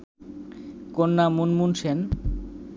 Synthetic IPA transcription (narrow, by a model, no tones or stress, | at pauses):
konːamunmunʃen